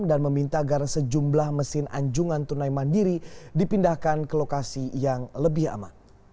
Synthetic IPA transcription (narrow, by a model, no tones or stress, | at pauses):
mdanməmint̪aːɡarsəd͡ʒumblahməsɪnʔa̰ɲd͡ʒuŋant̪unaimandiɾidipindahkankəlokasijaŋləbɪha̰ma̰n